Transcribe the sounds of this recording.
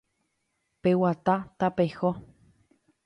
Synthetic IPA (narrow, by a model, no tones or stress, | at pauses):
pewat̪at̪apexo